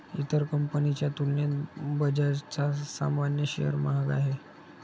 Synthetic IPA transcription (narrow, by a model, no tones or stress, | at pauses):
ḭt̪əɾkəmpənit͡ɕjat̪ulnet̪bəd͡ʑaɾt͡sasa̰manjəɕḛjə̰ɾmaɦaɡa̰ɦe